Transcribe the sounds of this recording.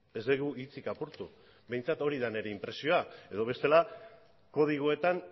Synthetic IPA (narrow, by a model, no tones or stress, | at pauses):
e̞zd̪eɣuʔit͡sikapuɾt̪u | be̞jnt͡sat̪o̞ɾiðane̞ɾe̞impɾe̞sio̞ae̞ðo̞β̞e̞st̪e̞la | ko̞ð̞iɣ̞oe̞t̪an